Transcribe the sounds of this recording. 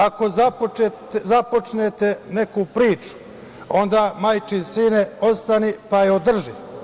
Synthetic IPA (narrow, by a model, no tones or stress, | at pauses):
ako̞zapoe | zapo̞t͡ʃneːt̪ene̞kupɾiːt͡ʃu̥ | o̞nd̪aːmajt͡ʃinsiːneo̞st̪anipajeod̪r̩ʒi